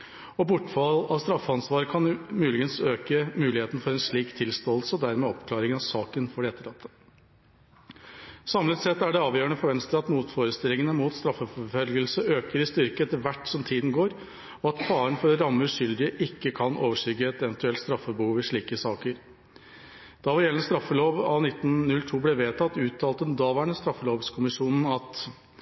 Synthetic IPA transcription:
ɔbʊʈːfɑlɑʋst̪ɾɑfːəɑnsʋɑːɾəkʰɑnmʉːlɪɡənsøːkəmʉːlɪheːt̪n̩fɔɾɛnʂɭiːkt̪ʰɪlst̪oːlsəɔd̪æɾmɛːɔpkʰlɑːɾɪŋənɑʋsɑːkənfɔɖɛɛt̪ːəɾɑt̪ʰːə | sɑmlət̪sɛt̪ːæɖɛɑːʋjøːəɳəfɔɾʋɛnst̪əɾɑt̪muːt̪foːɾəst̪ɪlːɪŋənəmuːt̪st̪ɾɑfːəfɔfœlɡəlsəøːkəɾɪst̪ʏɾkəɛt̪əɾʋæʈːsɔmt̪ʰiːd̪n̩ɡoːɾ | ɔɑt̪fɑːɾənfɔɾɾɑmːəʉʂʏld̪ɪəʔɪkːəkʰɑnʔoːʋəʂʏɡəɛt̪ɛʋənt̪ʉɛlt̪st̪ɾɑfːəbəhuːʋɪʂɭiːkəsɑːkəɾ | d̪̥ɑʋɪɾjɛlnəst̪ɾɑfːəloːʋɑnɪt̪ːn̩nʉlt̪ʰuːblɛʋeːt̪ʰɑt̪ːʉːt̪ʰːɑːlt̪ɛnd̪ɑːʋæɳəst̪ɾɑfːəloːʋskʰʊmɪʂuːnn̩ɑt̪

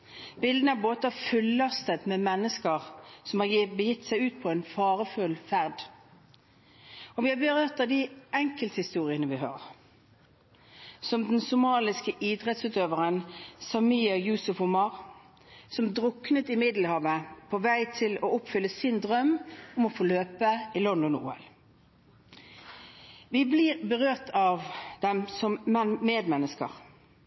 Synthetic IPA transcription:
b̥ɪld̪ənəæʁboːt̪əɑʋfʉlːɑst̪ət̪mɛmɛnːəskəʁsɔmhɑjbəjɪt̪ːsæɪʉːt̪̚pʰɔɛnfɑːʁəfʉlfæʁd̪ | ɔʋɪhɑbəʁøːt̪ɑd̪ɪʔɛŋkəlt̪hɪst̪uːʁɪənəʋɪɦɑ̰ː | sɔmd̪ɛnsʊmɑːlɪskəʔɪd̪ʁɛt̪sʉːt̪øːʋəʁənsɑmiːɑjʉːsʊfhʊmɑʁ | sɔmd̪ʁʊknət̪ɪmɪd̪l̩hɑːʋəpʰoʋæɪt̪ʰɪloːʊpfʏlːəsɪnd̪ʁœmːʊmɔfɔløːpəɪlɔnd̪ɔnṵːɛ̰l | ʋɪblɪːʁbəʁøːʁt̪ʰɑʋd̪̥ɛmsɔmɛmeːd̪mɛnːəskə̰ʁ

